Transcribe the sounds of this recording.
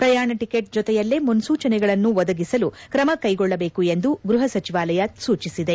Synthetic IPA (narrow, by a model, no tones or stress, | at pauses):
pɾɐjaːɳɐʈikeʈ̚d͡ʒɔt̪ɛjɐlːemunsuːt͡ʃɐnɛɡɐɭɐnːuʋɔd̪ɐɡisɐlukɾɐmɐkɐjɡɔɭːɐbeːkue̞nd̪uɡɾuɦɐsɐt͡ʃiʋaːlɐjɐsuːt͡ʃisid̪e̞